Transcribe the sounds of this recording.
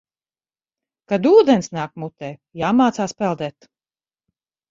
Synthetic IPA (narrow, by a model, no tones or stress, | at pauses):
kad̪uːd̪ɛnsnaːkmut̪ɛːjaːmaːt̪saːspɛlˠd̪ɛːt̪